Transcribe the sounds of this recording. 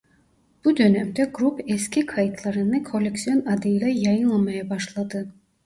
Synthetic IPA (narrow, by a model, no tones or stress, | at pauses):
b̥ud̪ø̞nɛmd̪ɛɡɾupeskʲikʰɑjɯt̪ʰlˠɑɾɯnɯkʰo̞lʲːeksio̞nɑd̪ɯlʲɛjɑjɯnlˠɑmɑjɑbɑʃlˠɑd̪ɯ